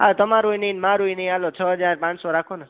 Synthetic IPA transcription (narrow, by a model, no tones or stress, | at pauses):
ɦat̪ʌmãɾujnenmãɾujnʌalot͡sʰʌɦʌd͡zarpãt͡ssɔɾakʰonʌ